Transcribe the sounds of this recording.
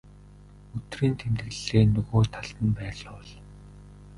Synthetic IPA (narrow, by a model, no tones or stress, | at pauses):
ɵt̪riːnt̪ʰemt̪ɘ̆ɮeːnɵɣoːt̪ʰaɮt̪ə̆npæːɮʊːɮ